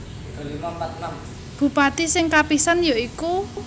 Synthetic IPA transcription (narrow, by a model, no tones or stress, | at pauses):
b̥ṳpat̪isɪŋkapisanjoiku